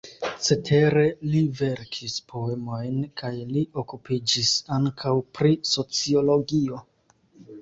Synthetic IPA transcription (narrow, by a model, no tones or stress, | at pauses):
t͡se̞tʰe̞ɾe̞live̞ɾkʰispʰo̞emo̞jnkajliʔo̞kupid͡ʒisaŋkʰawpɾiso̞t͡sio̞lo̞ɡio̞